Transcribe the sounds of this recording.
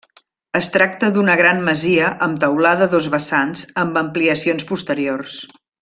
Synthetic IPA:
əst̪ɾak̚t̪əðunəɣɾanməziəʔəmt̪əwlaðəðozβəsanzəmbəmpliəsionspust̪əɾiors

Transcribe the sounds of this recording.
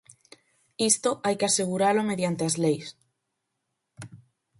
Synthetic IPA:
ist̪oʔajkeaseɣ̞uɾalomeðjant̪eazlejs

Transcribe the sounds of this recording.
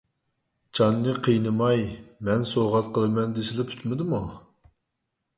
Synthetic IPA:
t͡ʃʰɑnːɨqʰəjnɨmɑjmɛnsoʁɑt̪̚qʰəlˠɨmɛnd̪esɪlɪpʰy̥t̪mɪd̪ɨmu

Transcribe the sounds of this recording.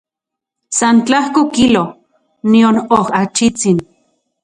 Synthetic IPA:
sant͡ɬahkokilo | nionohat͡ʃit͡sin

